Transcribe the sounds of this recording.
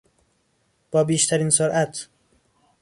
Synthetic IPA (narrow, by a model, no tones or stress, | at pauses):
b̥ɒːbiːʃt̪ʰæɾiːnsoɾʔæt̪ʰ